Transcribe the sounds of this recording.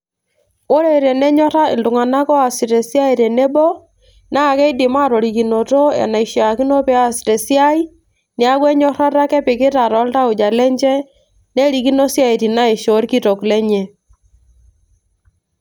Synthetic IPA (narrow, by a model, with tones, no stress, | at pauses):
o˦ɾɛ˨ɾɛ˨nɛ˦ɲɔ˦ɾa˦ɪ̰˨ndʊ˨ŋa˨na˦kɔ˦a˨si˨ɾɛ˨sja˦i˨ɾɛ˨nɛ˦bɔ˦ | na˦˨kɛ˦i˦dɪ˨ma˦˨ɾɔ˨ɾi˨ki˨no˨tɔ˦ɛ̰˨na˨i˨ʃja˨ki˦no˦pɛ˦a˦si̥˨tɛ˨sja˦i˦ | nɪ˦a˦kwɛ˦ɲɔ˦ɾa˦ɾa˦kɛ˦pɪ˨kɪ˦ta˨ɾɔ˨˦lta˦o˨d͡ʒa˨lɛ˦ɲd͡ʒɛ˦ | nɛ˦ɾi˨ki˦no˦sja˦i˨ti˨na˦e˨ʃo˨˦ɾki˦to˨klɛ˦ɲɛ˨